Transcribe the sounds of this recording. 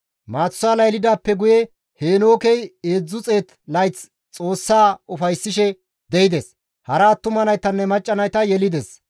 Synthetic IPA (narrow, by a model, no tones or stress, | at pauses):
maːt͡sːʊaːlɐjlɪd̪aːpːɛɡʊjɛ | heːno̞ːkɛjeːd͡zːʊt͡sʼe̞ːt̪ | lɐjt͡s | t͡sʼo̞ːsːaːʊfɐjsːɪʃɛ | d̪ɛɪd̪es | hɐɾaːt̪ːʊmɐnɐjt̪ɐnːɛmɐt͡ʃʼːɐnɐjt̪ɐjɛlɪd̪ɛs